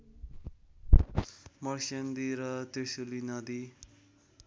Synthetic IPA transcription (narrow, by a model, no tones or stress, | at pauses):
mʌrsʌnd̪iɾʌt̪esulinʌd̪i